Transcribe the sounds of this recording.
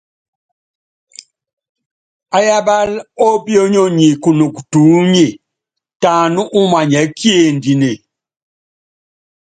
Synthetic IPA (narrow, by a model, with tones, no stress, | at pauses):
a˦ja˦ba˦lɔ˦bjo˦ɲo˦˨ɲi˨ku˨no˨ku˨tu˨˦ɲe˨ | ta˨nu˦ʔu˦ma˨ɲɛ˨˦kje˦˨ndi˨ne˨